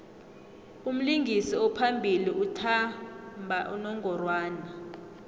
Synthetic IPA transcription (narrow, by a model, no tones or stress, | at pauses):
um̩liŋɡʱisiɔpʰambʱiliʔutʰambʱaʔṵnɔŋʱɔrwaːna